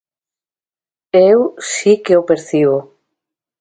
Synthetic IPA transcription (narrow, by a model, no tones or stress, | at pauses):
ewsikeopeɾθiβo